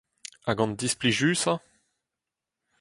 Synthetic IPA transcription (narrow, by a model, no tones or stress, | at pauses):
aɡɑ̃nd̪ispliʒyːsa